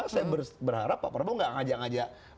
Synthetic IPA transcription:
sajabərbərhaɾapːa̰ʔpərbuŋɡaʔŋad͡ʒaʔŋad͡ʒaʔ

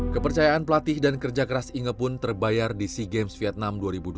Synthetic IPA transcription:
kəpərt͡ʃajaʔanpəlat̪ɪhdankərd͡ʒakəɾasiŋəpʊnt̪ərbajardisiɡɛmsfiɛt̪̚namduaɾibud

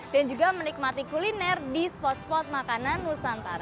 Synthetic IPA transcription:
dand͡ʒuɡamənik̚mat̪ikulinɛrdispɔt̪̚spɔt̪̚makananusant̪aɾa

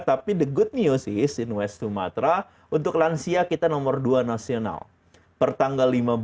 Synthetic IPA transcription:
t̪apidəɡʊt̪̚niosɪhsɪnwɛstuma̰t̪ɾa | unt̪ʊklansiakit̪anɔmərduanasiona̰l | pərt̪aŋɡalːimab

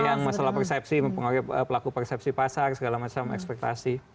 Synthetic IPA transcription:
jaŋmasalahpərsɛp̚siməmpəŋoɾɪəpəlakupərsɛp̚sipasarsəɡalamat͡ʃamɛ̰kspɛk̚t̪a̰si

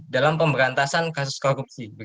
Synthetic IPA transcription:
dalampəmbəɾant̪asankasuskoɾup̚sib

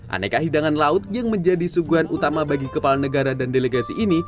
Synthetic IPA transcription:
ʔa̰na̰kaɦidaŋanlaʊt̪̚jaŋməɲd͡ʒadisuɡuanʔut̪amabaɡikəpalanəɡaɾadandeleɡasiʔini

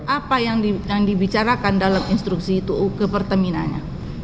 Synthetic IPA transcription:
ʔapajaŋjaŋdibit͡ʃaɾakandalaminst̪ɾuksiːt̪ukəpərt̪əmina̰nɲa̰

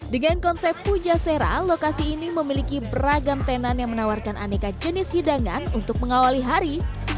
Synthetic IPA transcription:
dəŋankɔnsɛpːud͡ʒaseɾa̰lokasiːniməmilikibəraɡamt̪enanjaŋmənawarkana̰nekad͡ʒənɪshidaŋanunt̪ʊk̚məŋawaliɦaɾi

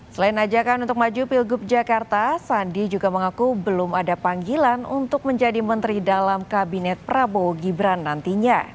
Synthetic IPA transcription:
səlaɪnad͡ʒakanunt̪ʊk̚mad͡ʒupilɡʊp̚d͡ʒakart̪asandid͡ʒuɡaməŋakubəlʊmadapaŋɡilanunt̪ʊk̚məɲd͡ʒadimənt̪ɾidalamkabinɛt̪̚pɾaboɡibɾanːant̪iɲa

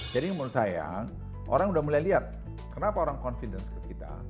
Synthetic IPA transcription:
d͡ʒadiŋmunusaja̰ | ʔo̰ɾaŋudahmulajliat̪̚ | kərnapaoɾaŋkɔnfidɛnskəkit̪a̰

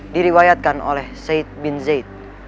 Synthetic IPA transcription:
diɾiwajat̪̚kano̰lɛhsejt̪̚binzejt̪̚

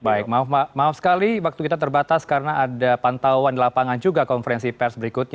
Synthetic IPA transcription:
baɪk̚maɔfmamaɔfsə̥kaliwak̚t̪ukit̪at̪̬ərbat̪askaɾənaːdapant̪auandilapaŋand͡ʒuɡakɔnfəɾɛnsipɛrsbəɾikut̪̚ɲ

